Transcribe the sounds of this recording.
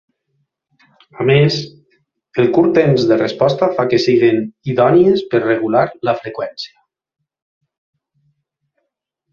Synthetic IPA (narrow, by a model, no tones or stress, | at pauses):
ames | elˠkuɾt̪emzðerespɔst̪afakesiɣeniðɔniespeɾreɣ̞ulaɾləfɾekwɛnsia